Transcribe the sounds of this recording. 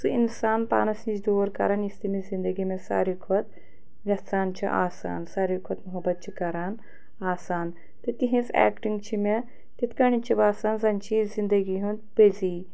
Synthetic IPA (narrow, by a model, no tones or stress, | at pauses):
sɨinsaːnpa̰ːnɐsnid͡ʒd̪oːɾkɐ̰ɾanist̪imizind̪ɐɡimẽsa̰ːɾikʰɐt̪̚ | ʋʲɐsaːnt͡ʃʰḭʔa̰ːsa̰ːnsaːɾikʰot̪muɦɐbɐt̪̚t͡ʃʰikɐɾaːn | aːsaːn | t̪ɨt̪iɦĩsɛ̰ːkʈiŋɡt͡ʃʰimʲe | t̪it̪ʰkɐɳit͡ʃʰibaːsaːnzɐnt͡ʃʰizind̪ɐɡiɦund̪̚peziː